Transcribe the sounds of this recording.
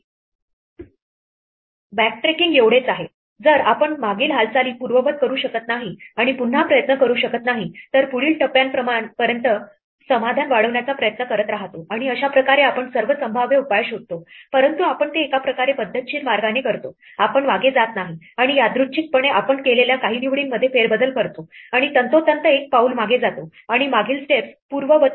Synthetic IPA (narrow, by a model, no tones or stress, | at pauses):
bæk̚ʈɾekiŋɡeʋɽ̤et͡saɦe | d͡zəɾapəɳmaɡiːlɦalt͡saliːpuɾʋəʋət̪̚kəɾuːɕəkət̪naɦiaɽ̃ipun̤ːapɾəjət̪nəkəɾuːɕəkət̪naɦit̪əɾpuɭiːlʈəpjanpəmapəɾjənt̪ə | səmad̪ʱanʋaɽəʋɳjat͡sapɾəjət̪nəkəɾət̪ɾaɦt̪oʔaɽ̃iəɕapɾəkaɾeapəɳsəɾʋəsəmbʱaʋjeupajeɕɦot̪ːopəɾənt̪uapəɳt̪eːkapɾəkaɾepəd̪ʱːət̪ɕiːɾmaɾɡanekəɾt̪o | apəɳʋaɡed͡zat̪naɦi | aɽ̃ijad̪ɾut͡ɕik̚pəɳ̃eʔapəɳkeleljakaɦiːniʋɽiːnːəd̪ʱːjefeɾbəd̪əlkəɾt̪oaɽ̃it̪ənt̪ot̪ənt̪əek̚pauːlmaɡed͡zat̪o | aɽ̃imaɡʱiːlsʈepspuɾʋəʋə